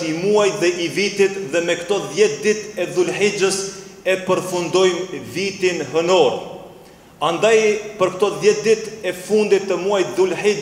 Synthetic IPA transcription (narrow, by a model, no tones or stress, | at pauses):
imuajðɛʔivit̪it̪ðɛmɛkt̪ɔðjɛt̪̚d̪it̪ɛðulɦid͡ʒəsɛpəɾfund̪ɔjmvit̪inɦənɔɾ | and̪ajpəɾkt̪ɔðjɛt̪̚d̪it̪ɛfund̪it̪ːəmuajðulɦi